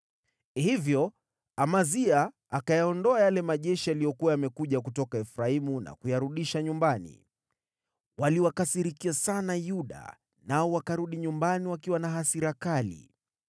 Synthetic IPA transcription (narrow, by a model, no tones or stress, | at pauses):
hivjɔ | amazia | akajaɔndɔajalɛmaʄɛʃialijɔkuwajamɛkuʄakutɔkaɛfɾaimuna̰kujaɾuɗiʃaɲumbanḭ | waliwakasiɾikiasanajuɗa̰ | naɔwakaɾuɗiɲumbaniwakiwanaɦasiɾakalḭ